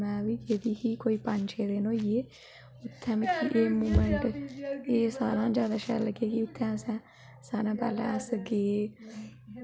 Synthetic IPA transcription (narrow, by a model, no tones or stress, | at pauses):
mɛ̃ːʋiːd͡ʒeːd̪iːkiːkoːiːpəɲt͡ʃeːɾeːnõːieː | ʊt̪ʰːɛmkɪʔeːmuːməɳʈeːsaːɾãːd͡ʒaːd̪aːʃɛ̰ːləɡeːkiʊt̪ʰːɛ̃ːsɛ̃ː | saːɾãːpɛ̰ːlɛ̰̃ːəsɡeː